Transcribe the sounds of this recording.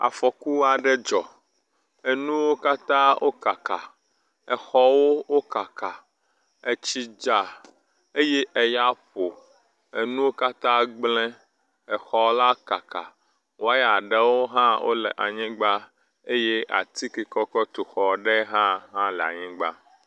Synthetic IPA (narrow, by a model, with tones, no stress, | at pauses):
a̰˨fɔ˨ku˦wa˨ɖɛ˦d͡ʒɔ˨ | e˨nũ˦wo˦ka˦t̪ã˦wʔo˦ka˨ka˨ | ɛ˨xɔ˦wo˦wo˦ka˨ka˨ | e˨t͡ʃi˦d͡ʒa˨ | e˦je˦ʔɛ˨ja˦ɸo˨ | e˨nũ˦wo˦ka˦t̪ã˦ɡ͡blɛ̃˦ | ɛ˨xɔ˨wo˦la˦ka˨ka̰˨ | wo˦a˦ja˨ɖɛ˦wo˦ɦã˦wo̰˦lɛ̰˨ʔa˨ɲĩ˦ɡ͡ba˦ | e˦je˦ʔa̰˨t̪i˦ki˨kɔ˦kɔ˦t̪o˨xɔ˨ɖɛ˦ɦã˦ɦã˦lɛ˨a̰˨ɲĩ˦ɡ͡ba̰˦